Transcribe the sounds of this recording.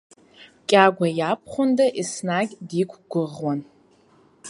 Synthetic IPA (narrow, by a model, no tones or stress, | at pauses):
kʲʼaɡʷajapʰχʷʊndaʔisnaɡʲdikʷʰʼɡʷʊʁwan